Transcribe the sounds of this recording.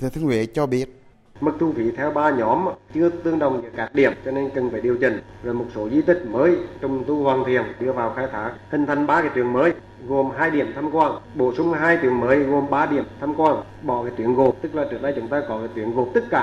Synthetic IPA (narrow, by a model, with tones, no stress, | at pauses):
t̪ʰɨ˨˧˩t̪ʰɨ˧ŋwḛ˨˦t͡ɕɔ˧ɓi˦˥ət̚ | məɨ˨˩k̚t̪ʰu˧˩fʰḭ˨˦t̪ʰɛ˧wɓaː˧ɲɔ˨˦m˨t͡ɕɨ˧ət̪ɨ˧əŋɗə˨˩wŋ͡mɲɨ̰˧˨əkaː˨˦˥k̚ɗi˨˧˩əmt͡ɕɔ˧ne˧nkə˨˩nfaː˨˩jɗi˨˩əwt͡ɕï˨˩ŋ̟zo˨˩jmo˨˩t̚so˨˦zi˧t̪ï˨˩k̟̚məː˨˦jt͡ɕʊ˧˩wŋ͡mt̪u˧hwaː˨˩nt̪ʰi˨˩ənɗɨ˧əvaː˨˩wxaː˧jt̪ʰaː˨˦k̚hï˨˩ŋ̟t̪ʰa˧jŋ̟ɓaː˧kaː˨˦t̪wi˧˩ənməː˨˦j | ɣo˨˩mɦaː˧jɗi˨˩əmt̪ʰaː˧mkwaː˧nɓo̰˧˩sʊ˧ŋ͡mɦaː˧jt̪wi˧˩ənməː˨˦jɣo˨˩mɓaː˧ɗi˨˧˩əmt̪ʰaː˧mkwaː˧n | ɓɔ˧˩kaː˨˦t̪wi˧˨ənɣo˨˩p̚t̪ɨ˦˥k̚laː˨˩t͡ɕɨ̰˨˩əŋɗaː˧jt͡ɕʊ˨˦ŋ͡mt̪aː˧kɔ˨˦kaː˨˩jt̪wi˧˨ənɣo˨˩p̚t̪ɨ˦˥t̚kaː˧˩